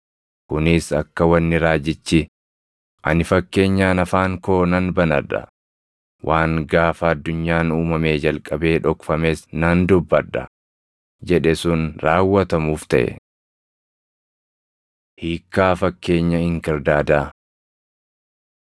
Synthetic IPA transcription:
kʊnɪsɐkːɐwɐnːɪɾaːd͡ʒɪt͡ʃːɪ | ʔɐnɪfɐkːe̞ːɲːaːnɐfaːŋko̞ːnɐnbɐnɐ̰ᶑɐ̰ | wʔaːŋɡaːfɐːd̪ːʊɲːaːnuːmɐme̞ːd͡ʒɐlkʼɐbe̞ːᶑɔkfɐmeːsnɐnd̪ʊbːɐᶑɐ̰ | d͡ʒɛᶑɛsʊnɾaːwːɐt̪ɐmuːft̪ɐ̰ʔɛ̰ | hiːkːaːfɐkːe̞ːɲːɐɪŋkɐɾd̪aːd̪aː

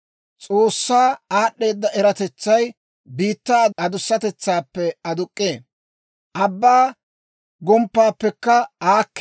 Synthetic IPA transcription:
t͡sʼoːsːaːaːɗːe̞ːd̪ːɐʔɛɾɐt̪ɛt͡sːɐj | biːt̪ːaːɐd̪ʊsːɐt̪ɛt͡sːaːpːɛɐd̪ʊkʼːeː | ʔɐbːaː | ɡɔmpːaːpːɛkːɐaːkː

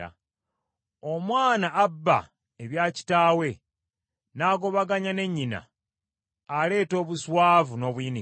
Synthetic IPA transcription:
a̰ | omwaːnaːbːa̰ | eβjaːci̥taːwe̞ | naːɡo̞βaɡaɲane̞ɲːina̰ | ale̞ːto̞ːβuswaːvuno̞βwini

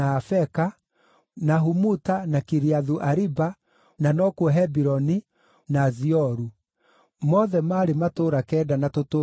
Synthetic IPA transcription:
afɛka | naɦumutanakiɾiaðuʔaɾiba | nanɔkwɔɦɛbiɾɔni | naziɔɾu | mɔðɛmaːɾematoɾakɛːdanatoto

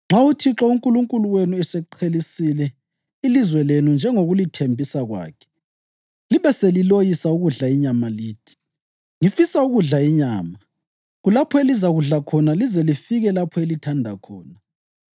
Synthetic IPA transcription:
ŋ͡ǁautʰiǁɔuŋkʼuluŋkʼuluwenuɛsɛǃʰelisilɛ | ilizwɛlenund͡ʒʱɛŋoɣulitʰembʱisaɣwa̰ːkʰɛ̥ | liβɛselilojisauɣuɮaiɲamaliːtʰi̥ | ŋifisauɣuɮaiɲaːma | ɣulapʰɔelizaɣuɮakʰɔnalizɛlifiɣɛlapʰɔelitʰandʱakʰɔ̰ːna

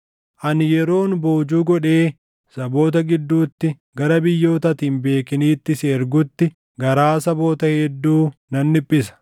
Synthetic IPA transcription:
ʔɐnjɛɾo̞ːnbo̞ːd͡ʒuːɡɔᶑe̞ː | sɐbo̞ːt̪̬ɐɡɪd̪ːuːt̪ːɪ | ɡɐɾɐbɪjːo̞ːt̪ɐt̪iːnbe̞ːkɪniːt̪ːɪsːɾɡʊt̪ːɪ | ɡɐɾaːsɐbo̞ːt̪ɐhɛd̪ːuːnɐnːɪpʼːɪsɐ̥

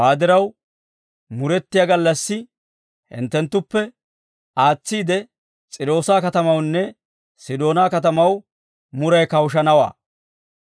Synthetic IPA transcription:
waːd̪ɪɾɐw | mʊɾɛt̪ːɪjaːɡɐlːɐsːɪ | hɪ̰nt̪ːɛnt̪ːʊpːɛ | aːt͡sːiːd̪ɛ | t͡sʼɪɾo̞ːsaːkɐt̪ɐmɐwnːɛ | sɪd̪o̞ːnaːkɐt̪̬ɐmɐw | mʊɾɐjkɐwʃ̬ɐnɐwa̰ː

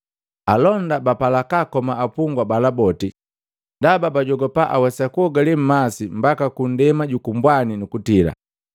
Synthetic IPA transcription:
alɔndabapalakakɔmaːpuŋɡwabalabɔti | ndababaɟɔɡɔpaʔa̰wɛsakuɔɡalim̩masim̩bakakun̩dɛmaɟukumbwaninukutila̰

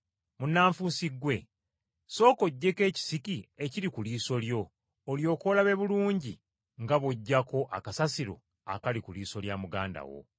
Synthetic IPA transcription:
munːaːɱfusiɡwe̞ | so̞ːko̞ɟːe̞ke̞ːci̥sikie̞ciɾikuliːso̞ljo̞ː | ljo̞ːkoːlaβe̞βuluːɲɟi | ŋɡaβoɟːako̞ʔakasasiɾo̞̰ | a̰kalikuliːso̞ljaːmuɡaːnda̰wo̞̰

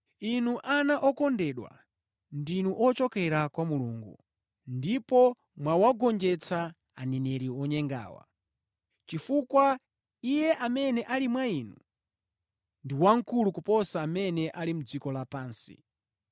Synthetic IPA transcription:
inuʔanaʔɔkɔndɛɗwa̰ | ndinuʔɔt͡ʃɔkɛɾakwamuluːŋɡu | ndipɔ | mwawaɡɔnd͡ʒɛt͡sʰa | anɛnɛɾiwɔɲɛŋɡa̰ːwa̰ | t͡ʃifukwa | ijɛʔamɛnɛʔalimwaiːnu | ndiwaŋ̩kulukupɔsaːmɛnɛʔalimud͡zikɔlapaːnsḭ

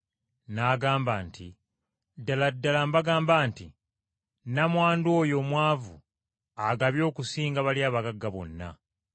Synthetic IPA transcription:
naːɡaːmbaːntʰḭ | dːaladːalambaɡaːmbaːntḭ | namwaːndoːjo̞mwaːvṵ | aɡaβjo̞ːkusiːŋɡaβaljaːβaɡaɡːaβo̞̰nːa̰

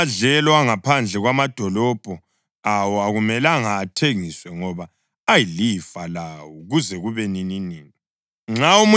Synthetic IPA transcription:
ɮɛlwaŋapʰand͡ɮʱɛɣwamad̥ʱɔlɔb̥ʱɔ | awɔaɣumɛlaŋaːtʰeŋiswɛŋɔβaː | jilifalawɔɣuzɛɣuβɛnininiːni | ŋ͡ǁaumu

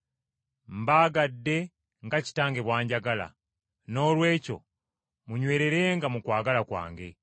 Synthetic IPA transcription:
m̩baːɡadːe̞ | ŋɡaci̥taːŋɡe̞βwaːɲɟaɡala̰ | no̞ːlwe̞ːco̞̰ | muɲwe̞ːɾe̞ɾe̞ŋɡamukwaːɡalakwa̰ːŋɡe̞̰

